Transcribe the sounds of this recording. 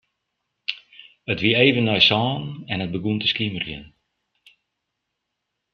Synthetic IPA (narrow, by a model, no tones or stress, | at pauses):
ətʋiəeːvənːɔjsɔːnɛnət̚bəɡuntəskimərjə̰n